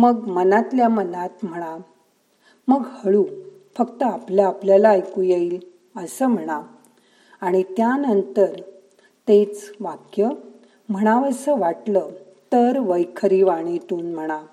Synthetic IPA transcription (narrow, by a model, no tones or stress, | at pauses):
məɡmənat̪ljamənat̪m̤əɽ̃a | məɡhəɭuː | fəkt̪əapljaːpljalaːjkujeil | əsəːm̤əɽ̃a | aɽ̃it̪janənt̪əɾ | t̪et͡sʋakjə | m̤əɽ̃aʋəsəʋaʈlə | t̪əɾʋəjkʰəɾiʋaɽ̃it̪uːnm̤əɽ̃a